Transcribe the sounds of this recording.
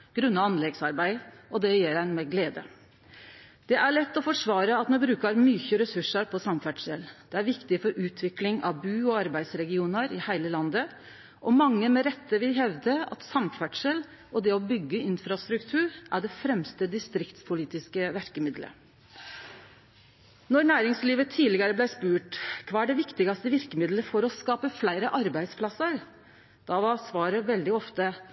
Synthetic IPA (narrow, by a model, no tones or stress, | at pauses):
ɡ̥ɾʉnːɑɑnlɛɡsɑɾbæɪʔɔd̪ɛjɛːɾæɪnmɛɡleːd̪ə̰ | d̪̥ɛʔæɭɛt̪ːɔfɔʂʋɑːɾəɑt̪mɛbɾʉːkɑɾmyçəɾɛsʉʂəɾpʰɔsɑmfæʈʂəld̪̥ɛæɾʋɪkt̪ɪfɔɾʔʉːt̪ʰʋɪklɪŋɑ̰ʋbʉːɔɑɾbæɪd̪sɾɛɡɪuːnəɾɪhæɪləlɑnd̪ə | ʔɔmɑŋːəmɛɾɛt̪ːəʋɪlɦɛʋd̪əɑ̰t̪sɑmfæʈʂəl | ɔd̪ɛɔbʏɡːəɪnfɾɑst̪ɾʉkt̪ʰʉːɾʔæɖɛfɾɛmst̪əd̪ɪst̪ɾɪkt̪spʰʊliːt̪ɪskəʋæɾkəmɪd̪lə̰ | nɔɾnæːɾɪŋsliːʋət̪ʰiːlɪɡɑɾəblæɪspʉːʈkʰʋɑːæɖɛʋɪkt̪ɪɡɑst̪əʋɪɾkəmɪd̪ləfɔɾɔskɑːpəflæɪɾəʔɑɾbæɪd̪spʰlɑsəɾ | d̪̥ɑʋɑɾsʋɑːɾəʋɛld̪ɪɔft̪ə